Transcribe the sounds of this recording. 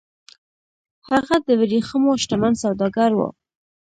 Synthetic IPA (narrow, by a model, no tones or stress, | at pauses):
haɣad̪əwɪɾixəmoʃʈamansawd̪ɑɡaɾwo̰